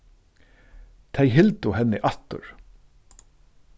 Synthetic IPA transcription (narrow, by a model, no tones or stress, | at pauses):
t̪ʰejɦɪlt̪ʊhɛnːɪʔaht̪ʊ̰ɹ̥